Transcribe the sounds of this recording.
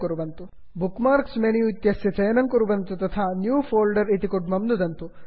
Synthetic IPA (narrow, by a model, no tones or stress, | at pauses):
kuɾuʋɐnt̪u | bukmaːɾksmenijut̪jɐsjɐt͡ʃɐjɐnɐŋkuɾuʋɐnt̪ut̪ɐt̪ʰaːnjuːfʰoːlɖɐɾit̪ikuʈmɐmnud̪ɐnt̪u